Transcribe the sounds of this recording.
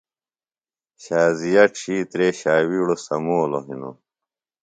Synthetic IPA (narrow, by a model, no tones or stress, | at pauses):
ɕaːzijɐʈɕiːt̪ɾeːɕaːwiːɽosɐmoːloɦino̰